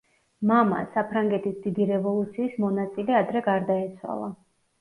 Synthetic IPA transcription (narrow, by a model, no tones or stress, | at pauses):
mama̰sapʰɾaŋɡɛt̪ʰisd̪̥id̪iɾɛvɔlˠut̪sʰiːsmɔnat̪sʼilɛad̪ɾɛɡaɾd̪aɛt̪sʰwa̰lˠa